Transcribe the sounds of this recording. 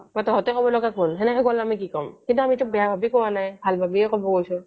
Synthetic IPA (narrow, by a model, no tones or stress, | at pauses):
batɔɦɔtɛkɔbɔlɔɡakʰunɦɛnɛkɛɡɔlamikikɔmkintuamitubɛjabʱabikɔwanajbʱalbʱabiɛkɔbɔkojsʊ